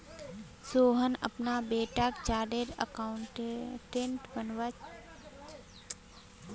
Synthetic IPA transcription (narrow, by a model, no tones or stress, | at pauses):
soːɦənə̰pnaːbeːʈaːkt͡ʃaːɖeɾə̰kaɳʈʈẽɳʈbənʋat͡ʃ